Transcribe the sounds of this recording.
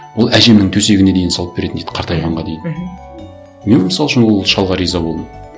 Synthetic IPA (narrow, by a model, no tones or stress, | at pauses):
wo̞lˠæʒe̞mnɪŋt̪ʰɵse̞ɡʲɪne̞d̪e̞jɪnsɑlˠəpbe̞ɾe̞ɪnejt̪ɪ̥qʰɑɾt̪ɑjʁɑɴʁɑd̪ejd̪ɪ | me̞nməsɑlˠəʃənwo̞lˠʃɑlˠʁɑɾijzɑbo̞lˠd̪əm